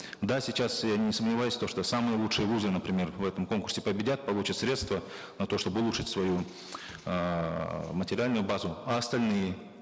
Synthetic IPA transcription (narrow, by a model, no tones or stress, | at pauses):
d̪asʲɪt͡ɕasjanʲɪsəmnʲɪvajʊsʲt̪oʂt̪osamɨjəlˠutʂɨjəvuzɨnəpɾʲɪmʲe̞rvɛt̪əmko̞nkʊrsʲɪpəbʲɪdʲat̪̚pɐlˠut͡ɕət̪sɾʲe̞t̪st̪və | nɐt̪o̞ʂt̪o̞bɨʊlˠuʂɨtʲsvɐju | mətʲɪɾʲɪalʲnʊjʊbazʊɐɐst̪ɐlʲnɨjɪ